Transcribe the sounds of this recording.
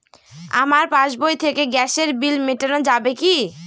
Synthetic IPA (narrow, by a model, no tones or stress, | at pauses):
a̰maɾpãʃbojt̪ʰekeɡɛʃeɾbilmeʈenod͡ʑabeki